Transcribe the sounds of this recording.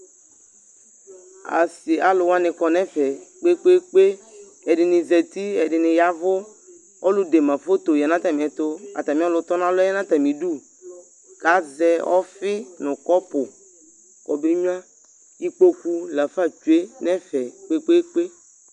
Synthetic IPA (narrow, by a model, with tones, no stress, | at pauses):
a̰˨sɪ˨ʔa˨lʊ˨wa˦nɪ̃˨kɔ˨nɛ̃˦fɛ˨k͡pe˦k͡pe˦k͡pe˦ | ɛ˨dɪ˨nɪ̃˨zɛ˨t̪i˦ɛ˨dɪ˨nɪ̃˨ja˦vʊ˦ | ɔ˦lʊ˦de˨mã˨fo˦t̪o˨jɛ˨nã˦t̪a˨mĩ˨ɛ˨t̪ʊ˦a̰˨t̪a˨mĩ˨˦lʊ˨t̪ɔ˦nã˦lʊ˦ɛ˦nã˦t̪a˨mĩ˨du˦ | ka˨˦zɛ˦ɔ˦fɪ˦nʊ̃˨kɔ˦pʊ˨ | kɔ˨bɾi˦ɲu˦ã˦ | i˦k͡po˦ku˦la˨fa˦˨t͡ʃu˨e˦nɛ̃˦fɛ˨k͡pe˦k͡pe˦k͡pe˦